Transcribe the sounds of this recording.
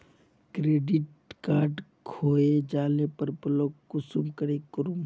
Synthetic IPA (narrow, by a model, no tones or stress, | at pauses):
kɾeːɖɪʈ̚ | kaːɾɖkʰoːed͡ʒaːlepəɾpəloːkʊsumkəɾekəɾum